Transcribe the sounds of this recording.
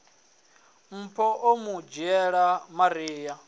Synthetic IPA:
m̩pʰɔʔomud͡ʒiɛɺamaɾiːja

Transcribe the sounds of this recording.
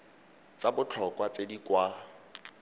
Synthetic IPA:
t͡sabʊt͡ɬʰɔkʼwat͡sedikwa

